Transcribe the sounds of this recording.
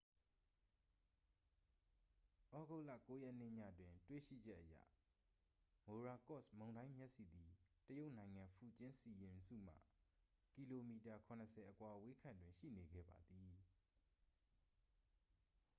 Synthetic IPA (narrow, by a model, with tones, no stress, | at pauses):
ʔɔ˦ɡo˦˨la̰˦˨ko˦jɛ˦ʔn̥ɪ̰˦˨ɲä̰˦˨twɪ̃˨twḛ˦˨ʃḭ˦˨d͡ʑɛ˦ʔəjä̰˦˨ | mo˨ɹa˨kɔ˦˨smõ˨ʊ̃ndã˦ɪ̃mjɛ˦ʔsi˨d̪i˨təjo˦ʊʔnã˨ɪ̃ŋã˨pʰu˨t͡ɕɪ̃˦nsi˨jɪ̃˨msṵ˦˨m̥a̰˦˨ | tki˨lo˨mi˨ta˨kʰʊ̃˨nəsʰɛ˨ʔəkwa˨we˦kʰã˨ndwɪ̃˨ʃḭ˦˨ne˨ɡɛ̰˦˨ba̰˨d̪i˨